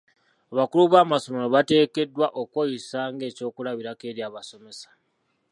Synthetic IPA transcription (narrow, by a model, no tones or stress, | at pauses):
aβakuluβaːmaso̞me̞loβate̞ːke̞dːwaʔokwojisaːŋɡe̞ːco̞ːkulaβiɾake̞ːɾjaːβaso̞me̞sḁ